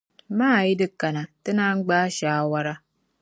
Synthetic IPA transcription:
maː˦˨ji˦dɨ˦ka˨na˨tɨ˦na˦ŋ̩˦ɡ͡baː˦ʃaː˦wa˦ɾa˦

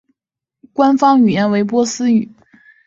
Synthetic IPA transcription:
kwa˥nfɑ˥ŋy˨˩jɛ˥nwe˧˥ɪpwɔ˥sɹ̩˥y˨˩˦

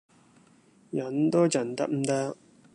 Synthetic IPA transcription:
jɐ˨˥nt̪o˥t͡sɐ˨˩nt̪ɐ˥k̚m̩˨˩t̪ɐ˥k̚

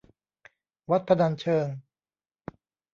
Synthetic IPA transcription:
wa˦˥t̪̚pʰa˧da˧nt͡ɕʰɤː˧ŋ

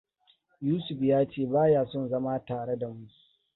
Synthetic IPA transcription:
juː˦sʊ˨ɸjaː˦t͡ʃeː˦˨baː˦jaː˨sɔ˦nzɐ˦maː˦taː˨ɽe˦da˨mʊ˦kʲi̥˨

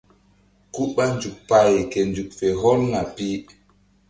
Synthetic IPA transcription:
ku˦ɓa˦nd͡ʒu˨k̚pa˨jkɛ˨nd͡ʒu˨k̚fɛ˨ɦɔ˦lŋa˨pi˦

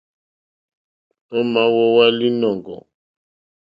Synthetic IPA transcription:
ɔ˦ma˨wɔ˦wa˦li˦nɔ˨ŋɡɔ̰˨

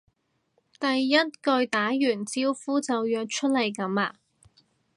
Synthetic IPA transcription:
t̪ɐ˨jːɐ˥t̚kɵ˧ɥt̪aː˨˥jyː˨˩nt͡siː˥wfuː˥t͡sɐ˨wjœː˧k̚t͡ʃʰɵ˥t̚lɐ˨˩jkɐ˨˥maː˧

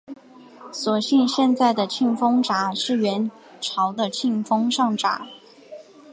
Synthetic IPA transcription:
swɔ˨˩ɕi˥˧nɕjɛ˥˧nt͡sa˥˩ɪd̪ə˩t͡ɕʰi˥˩nfɤ˥ŋʈ͡ʂa˧˩˦ʂɻ̩˥˩ɥɛ˧˥n | ʈ͡ʂʰɑ˧˥ʊd̪ə˧t͡ɕʰi˥˩nfɤ˥ŋʂɑ˥˩ŋʈ͡ʂa̰˨˩˦

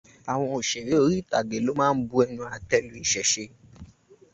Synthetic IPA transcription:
a˨w̃ɔ̃˧o˨ʃɛ˨be˨˦o˧ɾi˦˨ta˨ɡe˨˦lo˨˦mãː˦˧n̩˦bu˧˦ɛ˧nũ˧a˨tɛ˧lũ˨i˨ʃɛ˨ʃe˧

